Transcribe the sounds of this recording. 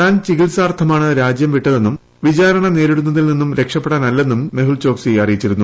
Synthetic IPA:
aːnt͡ɕiɣilsaːrt̪ʰɐmaːɳɨɾaːd͡ʑjɐmʋiʈːɐðe̞nːum | ʋit͡ɕaːɾɐɳɐne̞ːɾiɽunːɐðilninːumɾe̞kʂɐpːeɽaːnɐlːe̞nːumːe̞ɦuɭt͡ɕo̞ːksijɐrijit͡ɕːiɾunːu

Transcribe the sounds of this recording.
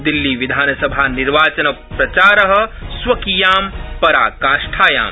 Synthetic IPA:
d̪ilːiʋid̪ʱaːnsəbʱaniɾʋaːt͡ʃənɐ | pɾɐt͡ʃaːɾəɦəsʋɐkijaːmpɐɾa̰ːkaːʃʈʰaːja̰ːm

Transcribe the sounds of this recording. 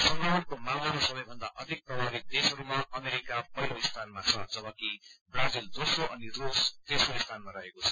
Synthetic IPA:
sʌŋɡʌwʌnkomawʌɾosʌbʌjbʱʌnd̪aʔʌd̪ʱik̚prʌbʱaɾid̪esɦʌɾumaʔʌmeɾikapʌjloist̪ʰanmat͡sʰʌd͡zʌbʌkibrad͡zild̪osroʔʌnirosd̪esroist̪ʰanmaɾʌɦekot͡sʰʌ̥

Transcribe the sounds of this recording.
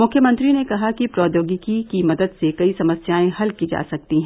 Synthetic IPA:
mʊkʰjəmɐ̃nt̪ɾinekɐɦakipɾɔːd̪joːɡikikimɐd̪əd̪sekɐisɐməsjaːẽɦɐlkid͡ʒa̰ːsɐk̚t̪iɦɛ̃ː

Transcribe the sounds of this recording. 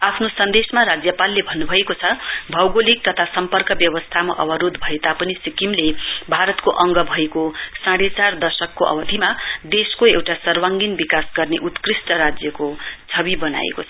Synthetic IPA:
apʰnosʌnd̪esmaɾad͡zjʌpalːebʱʌnːubʱʌekot͡sʰʌbʱʌwɡolik̚t̪ʌt̪ʰasʌmpʌrkʌbjʌwʌst̪ʰama̰ʔʌbʌɾod̪bʱʌet̪apʌnisikimlebʱaɾʌt̪koʔʌŋɡʌbʱʌekosãɽet͡sard̪ʌsʌkːoʔʌ̰bʌd̪ʱimad̪eskoewʈasʌrwaŋɡinbikasɡʌrneʔut̪krisʈʌɾad͡zjʌkot͡sʰʌbibʌna̰ḛkot͡sʰʌ

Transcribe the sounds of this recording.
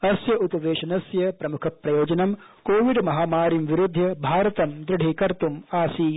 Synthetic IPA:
ɐsjɐʔupɐʋeːʃɐnɐsjɐpɾɐmukʰɐpɾɐjoːd͡ʒɐnɐm | koːʋiɖmɐɦaːmaːɾimʋiɾud̪ʱːjɐbʱaːɾɐt̪ɐmd̪ɾɪɖʱikɐɾt̪umaːsiː

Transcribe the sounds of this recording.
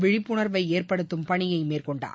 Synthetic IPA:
ʋɪɻɪpːʊɳɐɾʋɐɪeːrpɐɽɯt̪ːɯmpɐɳɪjɐɪmeːrkɔɳɖa̰ː

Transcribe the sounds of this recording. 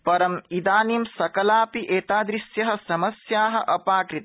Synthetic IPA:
pɐɾɐmid̪aːniːmsɐkɐlaːpiʔeːt̪aːd̪ɾisjɐɦɐ̆sɐmɐsjaːɦɐ̆ʔɐpaːkɾit̪ɐ̥

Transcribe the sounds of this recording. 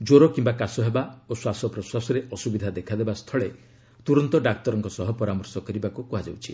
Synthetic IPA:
d͡ʒoɾɔkimbakasɔɦebaoswasɔpɾɔswasɔɾeʔɔsubid̪ʱad̪ekʰad̪ebast̪ʰɔɭe | t̪uɾɔnt̪ɔɖak̚t̪ɔɾɔŋkɔsɔɦɔpɔɾamɔɾsɔkɔɾibakukuɦad͡ʒawt͡ʃʰi

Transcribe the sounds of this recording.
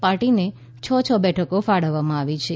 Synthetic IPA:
paɾʈine | t͡ʃʰɔt͡ʃʰɔbɛʈʰəkofaɽəʋːamãaʋit͡ʃʰe

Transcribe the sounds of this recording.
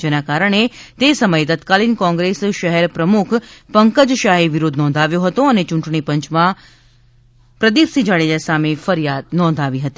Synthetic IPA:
d͡ʒenakaɾəɳ̃et̪esəməjet̪ət̪kalinkɔ̃ŋɡɾesʃəɦɛɾpɾəmukʰpəŋkəd͡ʒʃaɦeʋɪɾod̪ʱnɔ̃ːnd̪ʱaʋjõɦət̪oənet͡ʃuɳʈɳ̃ipə̃ɲt͡ʃmã | pɾəd̪ipsid͡ʒaɭed͡ʒasamefəɾijad̪̚nɔ̃ːnd̪ʱaʋiɦət̪i̥

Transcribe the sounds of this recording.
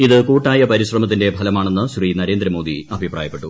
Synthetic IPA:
iðɨkuːʈːaːjɐpɐɾiɕrɐmɐt̪̬ːinde̞pɐlɐmaːɳe̞nːɨɕriːnɐɾe̞ːnd̪ɾɐmo̞ːd̪iɐbʱipraːjɐpːe̞ʈːu

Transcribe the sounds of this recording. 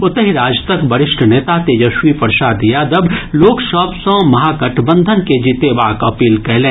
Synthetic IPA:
ʊt̪əɦiɾaːd͡ʒt̪ɐkbɐɾɪʃʈʰəneːt̪at̪ejɐʃʋipɐɾʃaːd̪jad̪ɐbloːkʃɔːpsõmɐɦaːkɐʈʰbə̃nd̪ʱənked͡ʒit̪ebaːkɐpiːlkɛɦlẽː

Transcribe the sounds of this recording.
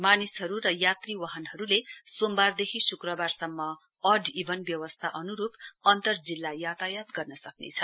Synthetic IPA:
manisɦʌɾurʌjat̪riwaɦʌnɦʌɾulesombard̪ekʰisukrʌbarsʌmːʌ | ʌɖibʌnbjʌwʌst̪ʰaʔʌnuɾupʌnt̪ʌrd͡zilːajat̪ajat̪ɡʌrnʌsʌknḛt͡sʰʌ

